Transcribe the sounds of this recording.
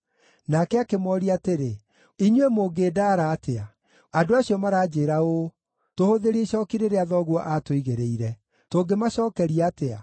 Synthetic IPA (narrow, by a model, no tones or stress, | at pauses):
nakɛakemɔɾiateɾe | iɲwemoːɡeːdaɾaːtʰea | adoaɕiɔmaɾaːd͡ʑeːɾao | tohoðeɾeʃɔːkiɾeɾeaðɔɣwɔʔatoiɣeɾeiɾɛ | toːŋɡemaɕɔːkɛɾiatea̰